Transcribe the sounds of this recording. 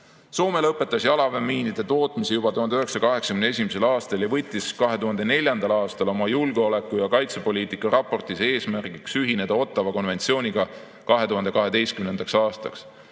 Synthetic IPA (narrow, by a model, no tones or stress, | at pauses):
so̞ːme̞lɤpːˑe̞t̪ːˑɑsjɑlɑve̞mːiːnid̪̥e̞t̪o̞ːt̪misijub̥ɑt̪uhɑnd̪eøɦeksɑkɑɦe̞ksɑ̥kymneesʲimise̞lɑːst̪ɑljɑvɤt̪ʲːiskɑɦe̞t̪uɦɑnd̪̥e̞ne̞lʲjɑnd̪̥ɑlɑːst̪ɑlo̞mɑjulɡeole̞kːujɑkɑjt̪se̞po̞lʲiːt̪ikːˑɑɾɑpːo̞rt̪ise̞ːsmærɡiksyɦine̞d̪̥ɑo̞t̪ːˑɑvɑko̞nve̞nt̪sio̞ːnʲiɡ̥ɑ | kɑɦe̞t̪uɦhɑnd̪̥e̞kɑɦe̞d̪e̞jst̪kymne̞nd̪̥ɑksɑːst̪ɑ̰ks